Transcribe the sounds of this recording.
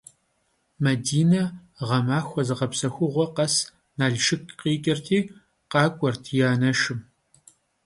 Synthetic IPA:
mɐdiːnɐ | ʁɐmaːxʷɔzɨʁɐpsɐxʷʊʁʷɔqɐs | naːɮʃɪkʰqiːkʲʼɪrtʰiː | qɑːkʷʼɔrtʰijaːnɐʃɪm

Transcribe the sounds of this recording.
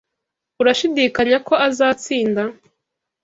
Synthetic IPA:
uɾaʃidikaɲako̞ʔazaːt͡siːnda

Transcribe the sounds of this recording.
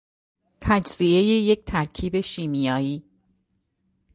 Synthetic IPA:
t̪ʰæd͡ʒz̥ie̞jeje̞c̚t̪ʰæɾkʰiːbe̞ʃiːmijɒːjiː

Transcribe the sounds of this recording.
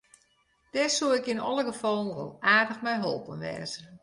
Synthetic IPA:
d̥ɛsuɪkɪnɔlˠəɡəfɔlˠn̩ro̰lˠaːrdəxmɛjɦo̰lˠpənʋɛ̰ːzə

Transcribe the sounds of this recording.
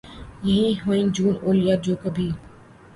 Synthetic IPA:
jɐɦĩːɦoːĩːd͡ʒuːnoːlɪjaːd͡ʑoːkəbʱiː

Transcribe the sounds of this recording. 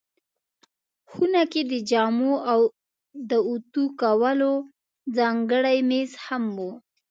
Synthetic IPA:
xunaked̪əd͡ʒɑmoaw | d̪əut̪ukawəlo | d͡zɑŋɡəɽajmeshamwu

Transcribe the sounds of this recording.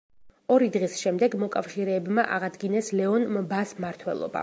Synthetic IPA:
ɔɾid̪ʁisʃɛmd̪ɛɡmɔkʼafʃiɾɛːbmaʔaʁad̪ɡinɛslɛɔnmbasmaɾt̪ʰwɛ̰lˠɔ̰ba̰

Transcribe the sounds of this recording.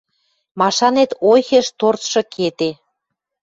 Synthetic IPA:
mɑʃɑnet̪ojxĕʃt̪ort̪ʃɤ̆kʰet̪e

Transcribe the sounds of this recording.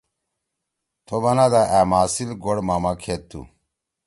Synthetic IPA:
t̪ʰobɐnad̪aʔæːmaːsilɡoɽmaːmakʰeːt̪ːṵ

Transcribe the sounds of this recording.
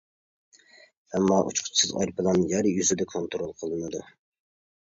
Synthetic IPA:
ɛmːɑʔṵt͡ʃqʰʊ̥t͡ʃʰsɨzɑ̰jɾpʰɨlˠɑnɨjæɾjyzɪd̪ɛkʰont̪ɾolˠqʰəlˠɨnɨd̪u

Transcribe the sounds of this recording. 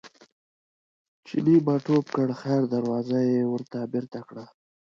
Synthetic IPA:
t͡ʃɪ̰nibaʈopkəɽxajɾd̪aɾwɑzajewəɾt̪abɪɾt̪akɽa

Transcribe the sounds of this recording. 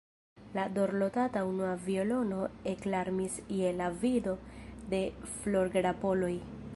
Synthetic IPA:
lado̞ɾlo̞tataunuavio̞lo̞no̞eklaɾmisje̞lavido̞de̞flo̞ɾɡɾapo̞lo̞j

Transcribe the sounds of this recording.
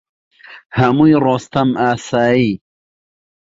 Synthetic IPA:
hamujɾoːst̪ɐmaːsaːi

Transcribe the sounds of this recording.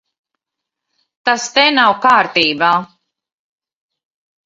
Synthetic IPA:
t̪ast̪enawkaːɾt̪iːbaː

